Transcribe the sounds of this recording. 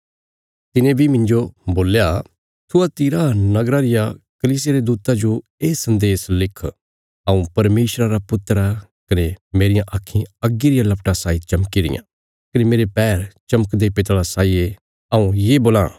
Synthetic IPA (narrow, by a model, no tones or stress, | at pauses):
t̪ɪnẽbʱimɪ̃nd͡ʒoboːlja | t̪ʰʊat̪iɾanɐɡɾaɾɪjakɐliːs̬ɪjeɾed̪uːt̪ad͡ʒoeːsɐ̃nd̪eːslɪkʰ | ɐũpɐɾmeːsɾaɾapʊt̪ːɾa | kɐnemeːɾɪjãʔakʰːĩɐɡːiɾɪjãlɐpʈasaːit͡ʃɐmkiɾɪ̰jã̰ | kɐnemeːɾepɛːɾt͡ʃɐməkd̪epɪt̪alasaːie | ɐũjeboːlã̰